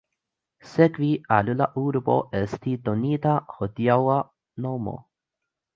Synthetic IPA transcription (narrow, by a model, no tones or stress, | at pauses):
sɛkvialulaʔuːɾbo̰ʔɛst̪id̪oniːt̪ahɔt̪jawa | nowmo̰